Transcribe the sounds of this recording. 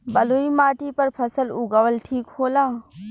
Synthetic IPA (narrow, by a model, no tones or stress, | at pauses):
bɐluːimaːʈipɐɾpʰɐsəlʊɡaʋəlʈʰiːkhoːlaː